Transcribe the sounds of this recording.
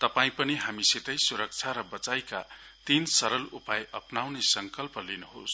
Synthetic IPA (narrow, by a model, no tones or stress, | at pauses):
t̪ʌpaĩpʌniɦamiset̪ʌjsuɾʌk̚t͡sʰaɾʌbʌt͡sajka̰ | t̪insʌɾʌlupajʔʌpnawnesʌŋkʌlpʌlinuɦo̰s